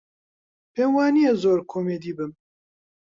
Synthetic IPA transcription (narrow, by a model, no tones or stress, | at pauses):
peːmwɑːnijezoːɾkʰoːmeːd̪iːbɨm